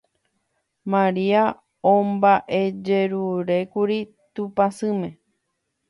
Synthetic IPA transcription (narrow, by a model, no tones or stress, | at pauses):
mãɾia | õmbaʔe̞d͡ʒe̞ɾuɾe̞kuɾi | t̪upasɨ̃mẽ̞